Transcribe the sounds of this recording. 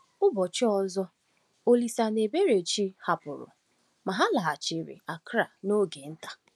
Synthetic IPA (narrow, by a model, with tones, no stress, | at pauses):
ʊ˦bɔ˨t͡ʃɪ˦ɔ˨zɔ˦ | o˦li˨sa˨ne˨be˦ɾe˨t͡ʃi˦ha˨pʊ˨ɾʊ̰˨ | ma˨ɦa˦la˨a˨t͡ʃe˨ɾḛ˨a˨kɾa˨no˦ɡe˨n̩˦tḁ˨